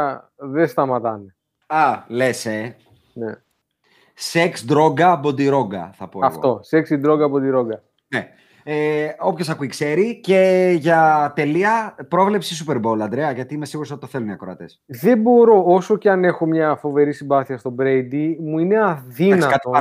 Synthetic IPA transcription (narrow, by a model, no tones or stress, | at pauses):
ðe̞st̪ɐmɐt̪ɐne̞ | ɐlese | ne | seksd̪ɾo̞ɡɐbo̞d̪iɾo̞ɡɐ̰θɐpoɐɐ̰ɣfot̪o̞seksid̪ɾo̞ɡɐbo̞d̪iɾo̞ɡɐ | ne | eo̞pçosɐkuikse̞ɾice̞ʝɐt̪e̞liɐpɾo̞vle̞psisupeɾbo̞lɐnd̪ɾeɐʝɐt̪iimesiɣuɾosoit̪oθeluniɐkɾoɐt̪esðe̞bo̞ɾo̞oso̞ceɐne̞xo̞mɲɐfo̞ve̞ɾisibɐθiɐst̪o̞bɾejd̪imuine̞ɐðinɐɐt̪o